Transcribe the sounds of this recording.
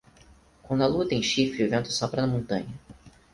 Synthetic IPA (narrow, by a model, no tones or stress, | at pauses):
kʷwõd̪ɐlut̪ɐẽj̃ʃifɾɪʊvẽnt̪ʊ̥sɔpɾɐnɐmõnt̪ɐ̰̃ɲɐ